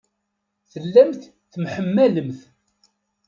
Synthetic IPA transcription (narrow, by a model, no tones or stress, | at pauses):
θəlːæmθ | θmħəmːæləmθ